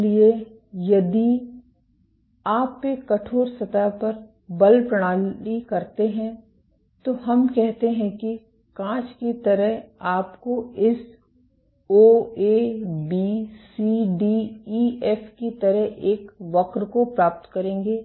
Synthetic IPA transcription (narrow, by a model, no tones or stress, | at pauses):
lie | jɐd̪i | aːpːekɐʈʰoːɾsɐt̪apɐɾ | bɐlpɾɐɽ̃aːlikɐɾt̪eɦɛ̃ | t̪oɦɐmkɛɦt̪eɦɛ̃ki | kãːt͡ʃkit̪ɐɾəɦaːpkoɪs | oːeːbisiɖiiɛːfkit̪ɐɾəɦeːkʋɐkɾkopɾaːp̚t̪kɐɾẽːŋɡeː